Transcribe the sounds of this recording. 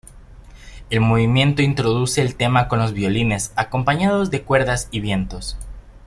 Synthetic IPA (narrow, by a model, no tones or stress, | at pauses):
e̞lmo̞βimjẽ̞nt̪o̞int̪ɾo̞ðuse̞ːlt̪e̞mako̞nlo̞zβjo̞line̞sako̞mpaɲað̞o̞zðe̞kwe̞ɾðasiβje̞nt̪o̞s